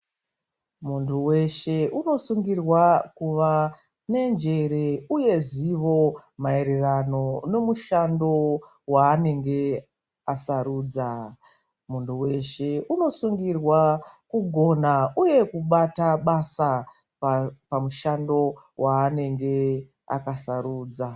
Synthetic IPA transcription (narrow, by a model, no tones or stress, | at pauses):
muntʰuwe̞ʃe̞uno̞suŋɡirwakuʋa | ne̞nd͡ʒe̞ɾe̞uje̞ziʋo̞mae̞ɾerano̞no̞muʃando̞ | waːne̞ŋɡe̞ | asaɾuːd͡za | munduwe̞ʃe̞uno̞suŋɡirwakuɡʱo̞nauje̞kuɓataɓasa | ppamuʃando̞ | waːne̞ŋɡe̞ | a̰kasaɾuːd͡za